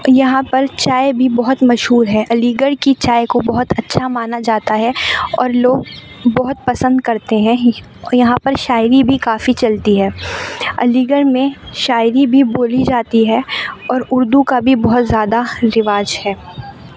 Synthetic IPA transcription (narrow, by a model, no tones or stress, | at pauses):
jɐɦãpɐɾt͡ʃaːebʱibɔɦʊt̪mɐʃɦuːɾɦɛʔɐliːɡəɾkit͡ʃaːekobɐɦʊt̪ɐtːʃʰamaːnad͡ʒaːt̪aɦɛɔ̰ːɾloːɡ̚ | bɔɦʊt̪̚pɐsə̃nd̪kɐɾt̪eɦɛ̃ | jɐɦãpɐɾʃaːɪɾibʱikaːfit͡ʃɐlt̪iɦɛːɐ̰liːɡəɾmẽʃaːɪɾibʱiboːlid͡ʒaːt̪iɦɛɔːɾʊɾd̪ukabʱibɔɦʊt̪zjaːd̪aɾɪʋaːd͡ʒhɛː